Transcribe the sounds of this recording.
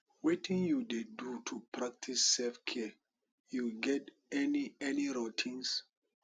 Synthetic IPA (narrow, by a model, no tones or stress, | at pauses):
wetĩŋjudedutʰupɹak̚tʰisːɛlfkʰɛ | juɡɛt | ɛniɛniɹotʰĩns